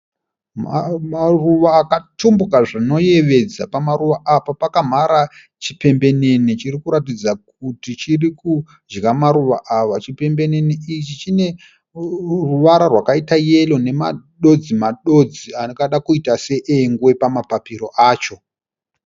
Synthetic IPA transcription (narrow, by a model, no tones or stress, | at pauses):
maruʋaːkatumbukaʐino̞je̞ʋe̞d͡zapamaɾuʋaapapakam̤aɾa | t͡ʃipe̞mbe̞ne̞nit͡ʃirikuɾatid͡zak̚utit͡ʃiriku | d͡ʒɡamaɾuʋa̰ʔaʋat͡ʃipe̞mbe̞ne̞niit͡ʃit͡ʃine̞ | ruʋaɾarwakaitaje̞lo̞ne̞ma̰ɗo̞d͡zimaɗo̞d͡zianokaɗakuitase̞ʔeŋɡuwe̞pamapapiɾo̞ʔaːt͡ʃo̞